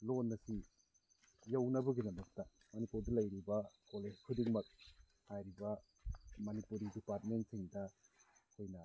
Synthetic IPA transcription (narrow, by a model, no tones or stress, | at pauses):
lonːɐsi | jawnɐbɯɡidɐmɐk̚tɐ | mɐnipuɾdɐlɐjɾibɐkoled͡ʒkʰudiŋmɐk̚ | hajɾibɐ | mɐnipuɾidipaɾt̚mentsiŋdɐkʰojnɐ